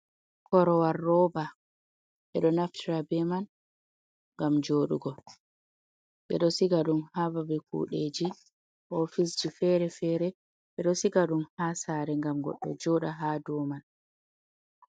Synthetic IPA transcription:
kʰɔɾɔwarːɔba | ɓɛɗɔnaftʰiɾabɛman | ŋɡamd͡ʒoːɗṵɡɔ | ɓɛ̰ɗɔsiɡaɗumhababɛkṵːɗed͡ʒi | ɔfis̬d͡ʒifɛɾɛfɛɾɛ | ɓɛɗɔsiɡaɗumhaːsaːɾɛŋɡamɡɔ̰ɗːɔ̰d͡ʒɔːɗaɦaːdɔman

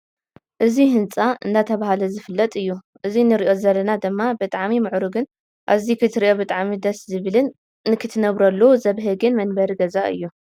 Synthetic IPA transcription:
ʔɨziɦɨnt͡sʼaʔɨndat̪ʰɐβahalɐzɨfɨlːɐt̪ʼɨjːu | ʔɨzinɨɾiʔo̞zɐlːɐnad̪ɨmːabɨt̪ʼaʕmimɨʕɾuɡɨn | ʔa̰βzikʰɨt̪ʰɨɾiʔo̞bɨt̪ʼaʕmid̪ɐszɨβɨlɨnː | ɨkʰɨt̪ʰɨnɐβɾɐlːozɐβɦɨɡɨnmɐnbɐɾiɡɐzaʔɨ̰jːu

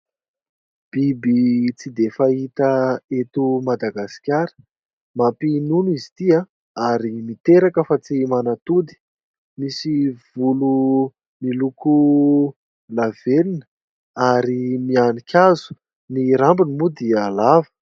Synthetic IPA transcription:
b̥ibit͡sid̪efait̪əet̪umad̪aɡasi̥kʲaɾə̥ | mapinunuizit̪ia | aɾimit̪eɾakəfat͡simanat̪ud̪i̥ | misiv̥ulu | miluku | lavelinə | aɾimianikʲʰazu̥ | niɾambinimud̪ialavə̥

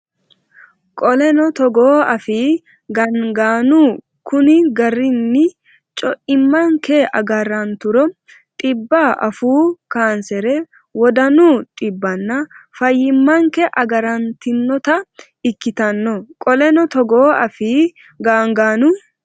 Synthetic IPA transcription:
kʼɔlɛnɔt̪ɔɡoːɐfiː | ɡɐŋɡaːnuː | kʊnɪɡɐrːɪnːɪ | t͡ʃʼɔʔɪmːɐŋkɛɐ̰ɡɐɾːɐnt̪ʊɾɔ | tʼɪbːaːʔɐfuːkaːnsɛɾɛ | wɔd̪ɐnuːt̪ʼɪbːɐnːɐfɐjːɪmːɐŋkɛʔɐɡɐɾɐnt̪ɪnːɔt̪ɐ | ɪkːɪt̪ɐnːɔkʼɔlɛnɔt̪ɔɡoːɐ̰fiː | ɡaːŋɡaːnu

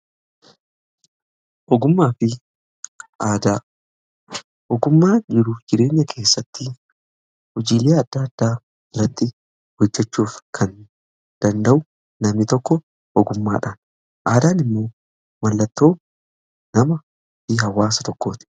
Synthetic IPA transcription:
ʔɔɡʊmːaːfɪ | ʔaːd̪aː | ʔɔɡʊmːaːd͡ʒɪɾufd͡ʒɪɾe̞ːɲːɐkʰe̞ːsːɐt̪ːɪ | hʊd͡ʒiːleːɐd̪̥ːɐaːɐd̪̥ːaː | ɪrːɐt̪ːɪ | hɔd͡ʒːɛt͡ʃːuːfkʰɐn | d̪̥ɐnd̪ɐʔʊ | nɐmnɪt̪ɔkːɔ | ʔɔɡʊmːa̰ːᶑaːn | ʔaːd̪aːnɪmːo̞ː | mɐlːɐt̪ːo̞ː | nɐmɐ | fɪhɐwːaːsɐt̪ɔkːo̞ːt̪ɪ̥

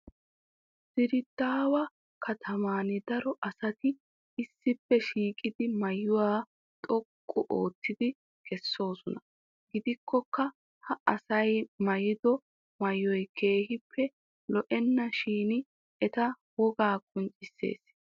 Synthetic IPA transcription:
sɪɾɪt̪ːaːwɐ | kʰɐt̪ʰɐmaːnɪd̪ɐɾɔʔɐsɐt̪ɪ | ɪsːɪpːɛʃiːkʼɪd̪ɪmɐjːʊwaː | t̪ʼɔkʼːʊʔoːt̪ʰːɪd̪ɪ | kɛsːo̞ːsɔnɐ | ɡɪd̪ɪkʰːɔkːɐ | hɐʔɐsɐjmɐjɪd̪ɔ | mɐjːɔjkʰe̞ːhɪpːɛ | lɔʔɛnːɐʃiːnɪ | ɛt̪ɐ | wɔɡaːkʼʊnt͡ʃʼɪsːe̞̰ːs

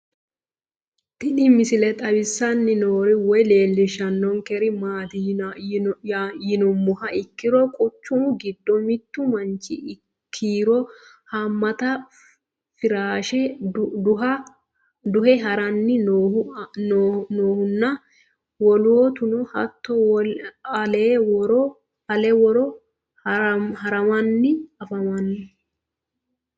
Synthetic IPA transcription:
t̪ɪnɪmɪsɪlɛt̪ʼɐbɪsːɐnːɪnoːɾɪwɔjle̞ːlːɪʃɐnːɔŋkɛɾɪmaːt̪ | jɪnʊmːʊhɐɪkːɪɾɔkʼʊt͡ʃːʊmɡɪd̪ːɔmɪt̪ːʊmɐnt͡ʃːɪ̰ | kʰːiːɾɔ | hɐmːɐt̪ɐ | fɪɾaːʃɛ | ɐ | d̪ʊhɛɦɐɾɐnːɪnː | nnoːhʊnːɐ | wɔloːt̪ʊnɔhɐ̰t̪ːɔ | ɐleːwɔɾɔ | ɐlɛwɔɾɔ | hɐɾɐmɐnːɪɐfɐmɐnːɪ

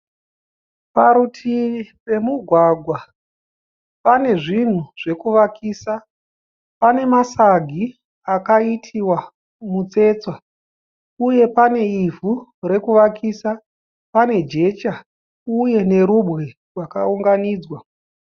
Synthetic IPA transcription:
paɾutʰipe̞muɡʱwaɡʱwa | pane̞ʐin̤uʐ̥e̞kuʋakʰiːsa | pane̞masaɡʱi | akaitʰiwa | mut͡se̞t͡swa | uje̞pane̞ivʱuɾe̞kuʋakiːsa | pane̞d͡ʒe̞t͡ʃa | uje̞ne̞ɾubɣi | rwakauŋɡaniːd͡zwa

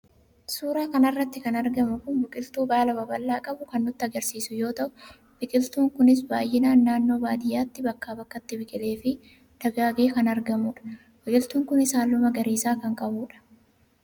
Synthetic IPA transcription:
suːɾaːkɐnɐrːɐt̪ːɪkɐnɐɾɡɐmʊkʊnbɪkʼɪlt̪uːbaːlɐbɐbɐlːaːkʼɐbʊkɐnːʊt̪ːɪɐɡɐɾsiːsʊjo̞ːt̪ɐʔʊ̥ | b̥ɪkʼɪlt̪uːŋkʊnɪs̬baːjʔeːnaːnːaːnːo̞ːbaːd̪ɪjːaːt̪ːɪbɐkːaːbɐkːɐt̪ːɪbɪkʼɪle̞ːfɪ | d̪̥ɐɡaːɡeːkɐnɐɾɡɐmʊːᶑɐ̥ | bɪkʼɪlt̪uːŋkʊnɪsaːlːʊmɐɡɐɾeːsaːkɐŋkʼɐbuːᶑɐ̥

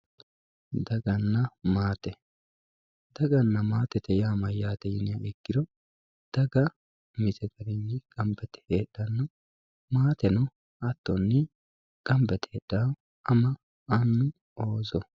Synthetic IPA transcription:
d̪ɐɡɐnːɐmaːt̪ɛ | d̪ɐɡɐnːɐmaːt̪ɛt̪ɛjaːmɐjaːt̪ɛjɪnɪɐɛkːɪɾɔ | d̪̥ɐɡɐ | mɪzɛɡɐɾɪnːɪkʼɐmbɛt̪ɛ̥heːɗːɐnːɔ | maːt̪ɛnɔ | ɐt̪ːɔnːɪ | kʼɐmbɛt̪eːɗa | ɐmɐ | ɐnːʊ | oːzɔ

